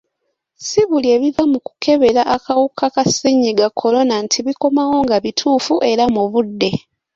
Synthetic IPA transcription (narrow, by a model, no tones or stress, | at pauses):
siβulie̞βivamuku̥kʰe̞βe̞ɾaʔakawukʰakasiɲːiɡakʰːo̞lo̞nantʰiβiko̞mawo̞ŋɡaβitʰuːfuʔe̞ɾamuβudːe̞